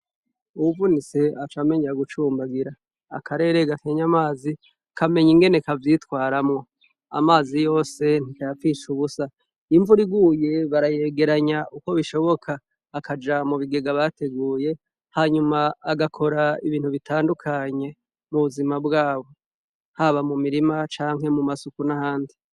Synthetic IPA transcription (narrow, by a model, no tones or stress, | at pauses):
uβuvunise̞at͡ʃame̞ɲeaɡut͡ʃuːmbaɡiɾa̰ː | kʰaɾe̞ːɾe̞ɡakʰeːɲamaːzi | kʰame̞ɲiŋɡe̞nekavjitwaːɾamŋo̞ | a̰maːzijo̞ːse̞n̥ikajafiʃuβusa | iɱvuɾiɡuːje̞βaɾaje̞ːɡe̞ɾaɲaʔuko̞βiʃo̞βo̞kʰaː | kad͡ʒamuβiɡe̞ɡaβate̞ɡuːje̞ | haɲumaːɡakʰo̞ɾaiβiːn̥huβitʰaːndukʰaɲe̞ | muβuzimabɡaːβo̞ | haβamumiɾimat͡ʃaːŋ̥ɦe̞mumasukunahaːndi